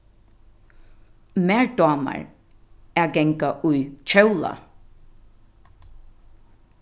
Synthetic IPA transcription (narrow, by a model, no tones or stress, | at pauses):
mɛɹd̪ɔːma̰ɹ | ɛɡɛŋkaʔujt͡ʃʰɛwla̰